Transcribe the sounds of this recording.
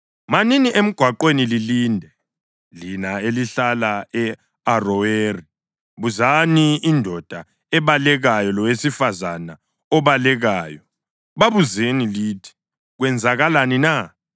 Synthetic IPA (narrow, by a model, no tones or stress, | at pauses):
maniniʔem̩ɡ̥ʱwaǃwenililiːndʱɛ | linaeliɬalaɛ | arɔeri | βuzaniːndʱɔd̥ʱa | ɛβalɛɣajɔlɔwesifazana | ɔβalɛɣaːjɔ | βaβuzeniliːtʰi̥ | ɣwɛnd͡zʱaɣalanina